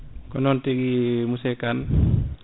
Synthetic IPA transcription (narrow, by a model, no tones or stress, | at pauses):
konontiɡimusekan